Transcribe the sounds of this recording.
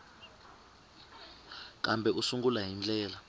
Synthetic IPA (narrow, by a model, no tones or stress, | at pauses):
k̬ʼambʱɛʔusuŋɡulaɦind͡ɮʼɛːla